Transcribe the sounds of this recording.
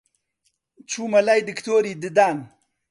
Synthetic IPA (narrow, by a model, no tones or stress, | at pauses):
t͡ʃʰumɐlajd̪ikt̪oːɾid̪ɪd̪aːn